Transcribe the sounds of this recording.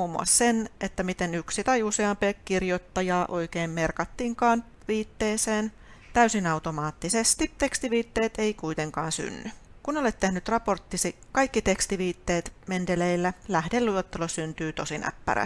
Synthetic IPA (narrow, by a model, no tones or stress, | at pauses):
uːmːṵɑ̰ssenet̪ːæmit̪enyksit̪ɑjuseɑmpekkirjot̪ːɑjɑːʔoikeːmmerkɑt̪ːiːŋkɑːn | ʋiːt̪ːeːseːn | t̪æysinɑut̪omɑːt̪ːisest̪it̪e̞kst̪iʋiːt̪ːeːt̪eikuit̪eŋkɑːnsy̰nːykunolet̪t̪ːehnyt̪rɑport̪ːisikɑjkːit̪ekst̪iʋiːt̪ːeːt̪mend̪eleilːælæhdelːuot̪ːelosynt̪yːt̪osinæ̰pːæ̰ɾæ̰